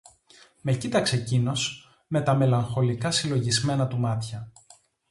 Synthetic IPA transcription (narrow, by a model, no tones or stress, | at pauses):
me̞cit̪ɐksecino̞s | me̞t̪ɐme̞lɐŋxo̞likɐsilo̞ʝizme̞nɐt̪umɐt̪çɐ